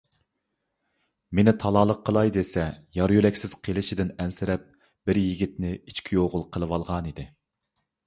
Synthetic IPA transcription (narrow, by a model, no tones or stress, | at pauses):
menɪt̪ʰɑlˠɑːlˠəqʰːəlˠɑjd̪esɛjɑɾjyɾɛkʲsɪz̥qʰelˠɪʃid̪ɪnɛnsɪɾɛp̚ | b̥ɪɾjiɡʲit̪nɪit͡ʃkʲʰijoʁʊlˠqʰəlˠəwɑlˠʁɑnid̪ɪ